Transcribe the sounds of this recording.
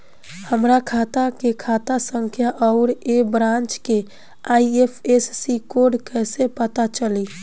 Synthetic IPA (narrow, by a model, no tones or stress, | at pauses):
həmɾakʰat̪akekʰat̪asəŋkʰjaʔɔʊɾebɾãnt͡ʃke | aiepʰesːikoɾɖkəsepət̪at͡ʃəli